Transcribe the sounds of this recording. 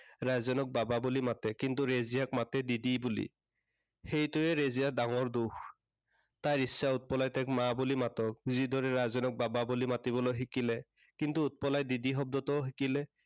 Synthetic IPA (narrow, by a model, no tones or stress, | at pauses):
ɹazɔnɔk̚bababulimatɛkintuɹezijak̚matɛdidibulḭ | xejtuɛɹezijadaŋɔɹdux | tajɹisːaut̚pɔlajtɛkmabulimatɔk̚ɡuzid̪ʱɔɹɛɹazɔnɔk̚bababulimatiβɔlojɦikilɛ | kintuːt̚pɔlajdidixɔb̚dɔtɔɦikilɛ